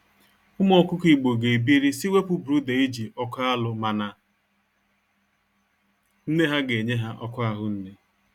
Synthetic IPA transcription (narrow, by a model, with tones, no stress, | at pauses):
ʊ˦mɔ˨kʊ˦ki˨ɡ͡bo˨ɡe˨bi˦ɾi˦si˦we˦pʊ˦bɾu˦de˨i˦d͡ʒi˨ʔɔ˦ka˦lʊ˨ma˨na˨ | n̩˦ne˦ɦa˦ɡe˨ɲe˦ɦa˦ʔɔ˦kʊ˦a˦ɦʊ˦n̩˦ne˦